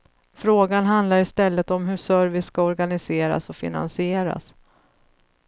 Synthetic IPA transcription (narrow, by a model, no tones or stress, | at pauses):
fɾoːɡanɦand̪laɾɪst̪ɛlːət̪ɔmɦɵʂœɾvɪsːkaɔɾɡanɪseːɾa̰sɔfɪ̰na̰nsɪeːɾa̰s